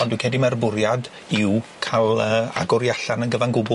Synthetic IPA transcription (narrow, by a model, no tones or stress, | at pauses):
ɔndwikʰɛdimɛrbʊɾjad | ɪwkʰalˠəːa̰ɡɔɾjaɬanənɡəvanɡʊbʊ